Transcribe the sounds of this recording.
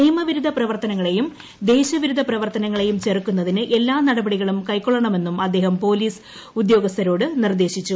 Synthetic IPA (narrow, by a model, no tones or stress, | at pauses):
niːmɐʋiɾud̪ʱɐprɐʋɐrt̪ɐnɐŋːɐɭe̞jum | d̪e̞ːɕɐʋiɾud̪ʱɐprɐʋɐrt̪ɐnɐŋːɐɭe̞jumt͡ɕe̞rkːunːɐðinɨʔe̞lːaːnɐɽɐbɐɽiɣɐɭumkɐjkːoɭɐɳɐme̞nːumɐd̪ːe̞ːɦɐmpo̞ːliːs | ud̪jo̞ːɡɐst̪ʰɐɾo̞ːɽɨnird̪e̞ːɕit͡ɕːu